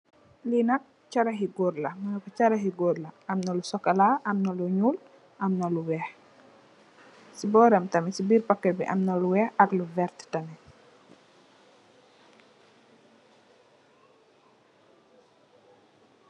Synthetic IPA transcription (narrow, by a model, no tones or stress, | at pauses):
linɐk̚ | t͡ʃɐɾɐɦiɡɔɾlɐmɐnɔkɔt͡ʃaɾɐɦiɡɔːɾlɐɐmnɐlusɔkɐlaːʔɐmnɐluɲuːl | ʔɐmnɐluwɛːh | sibɔːɾɐmtɐmisibiːɾpakːɛbḭʔɐmnɐluwɛːxɐkluvɛɾttɐmɛ